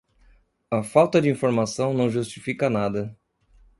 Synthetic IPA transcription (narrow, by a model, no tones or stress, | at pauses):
ɐfawt̪ɐd͡ʒɪĩfoɾmasɐ̃w̃nɐ̃w̃ʒust͡ʃi̥fikɐnad̪ɐ